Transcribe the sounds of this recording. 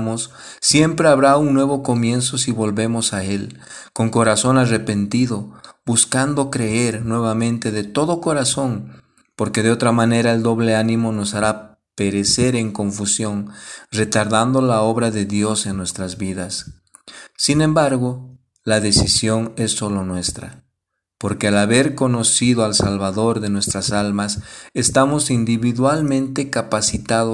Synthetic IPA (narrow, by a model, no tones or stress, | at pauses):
mosː | je̞mpɾe̞aβɾauŋnwe̞βo̞ko̞mje̞nso̞siβo̞lβe̞mo̞saelko̞ŋko̞ɾaso̞nare̞pe̞nt̪iðo̞buskand̪o̞kɾe̞eɾnwe̞βamẽ̞nt̪e̞ðe̞t̪o̞ðo̞ko̞ɾaso̞n | po̞ɾke̞ðeo̞t̪ɾamane̞ɾae̞ld̪o̞βle̞anĩmo̞no̞saɾa | pe̞ɾe̞se̞ɾe̞ŋko̞ɱfusjo̞ŋre̞t̪aɾðand̪o̞lao̞βɾaðe̞ðjo̞se̞nːwe̞st̪ɾazβiðasː | inẽ̞mbaɾɣo̞ | laðe̞sisjo̞ne̞sːo̞lo̞nwe̞st̪ɾa̰ | po̞ɾke̞alaβe̞ɾko̞no̞siðoalsalβaðo̞ɾðe̞nwe̞st̪ɾasalmasest̪amo̞sind̪iβiðwalmẽ̞nt̪e̞kapasit̪aðo